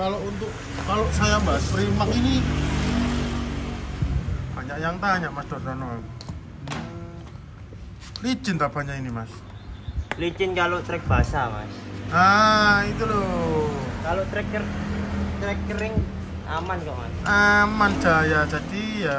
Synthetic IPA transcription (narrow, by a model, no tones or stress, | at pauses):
kalount̪ʊkː | aloʔsajabaspəɾimaŋini | baɲaʔjaŋt̪aɲaʔmast̪ɔrt̪anoa | lit͡ʃɪnt̪apaɲainimas | lit͡ʃɪnkalot̪ɾɛk̚b̥asama̰sait̪ulo | kalot̪ɾɛkːərt̪ɾɛkːəɾɪŋ | a̰mankaʔma̰samant͡ʃajat͡ʃat͡ʃija